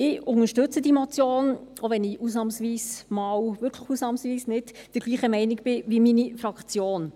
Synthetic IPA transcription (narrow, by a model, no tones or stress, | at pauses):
ɪʊŋəʃtʏt͡sədimot͡sjoːnoʋɛnɪusnɑmsʋiːsmɑːwvʏɾkʰləxuːsnɑːmsʋiːsnɪdd̥əɾɡliːχəmɛɪnɪɡb̥ɪʋiminifrɑkt͡sjoːn